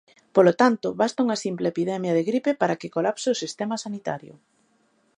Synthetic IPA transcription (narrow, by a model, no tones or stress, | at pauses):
polot̪ant̪ʊβast̪auŋɐsimplepiðɛmjɐðeɣɾipepaɾakɪkolapseosist̪emɐsanit̪a̰ɾjʊ̰